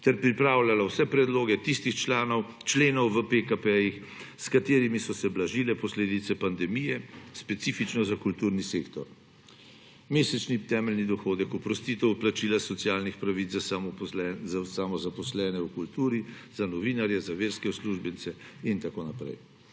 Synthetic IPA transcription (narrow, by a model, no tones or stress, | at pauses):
t̪ɛɾpɾipɾaːwlalawsɛpɾɛd̪loːɡɛt̪ist̪ixt͡ʃlaːnɔw | t͡ʃleːnɔwʋəpekapɛjix | skat̪eːɾimisɔsɛblaʒilɛpɔsleːd̪it̪sɛpand̪ɛmijɛspɛt̪siːfit͡ʃnɔzakult̪uːɾniseːkt̪ɔɾ | meːsɛt͡ʃnit̪ɛːmɛlnid̪ɔxoːd̪ɛkɔpɾɔst̪it̪ɛwplat͡ʃiːlasɔt̪sjaːlnixpɾaʋizɛsamɔzapɔslɛːnɛwkult̪uːɾizanɔʋiːnaɾjɛzaʋeːɾskɛwsluʒbɛnt̪sɛint̪akoːnapɾɛ̰j